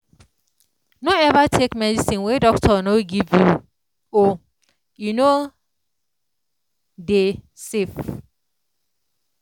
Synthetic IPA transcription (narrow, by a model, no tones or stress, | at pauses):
noɛvatʰekmɛdisĩnwedɔk̚tʰɔnoɡivju | o | juno | de | sef